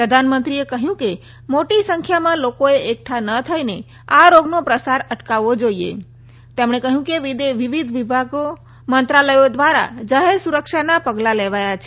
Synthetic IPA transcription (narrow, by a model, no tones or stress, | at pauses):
pɾəd̪ʱanmə̃nt̪ɾiekəɦjũke | moʈisə̃ŋkʰjamãlokoeʔek̚ʈʰanət̪ʰəjne | aɾoɡnopɾəsaɾəʈkaʋod͡ʒoiḛ | t̪emɳ̃ekəɦjũkeʋid̪eʋɪʋid̪ʱʋibʱaɡo | mənt̪ɾaləjod̪ʋaɾa̰d͡ʒaɦeɾsuɾəkʃanapəɡlaleʋajat͡ʃʰɛ̥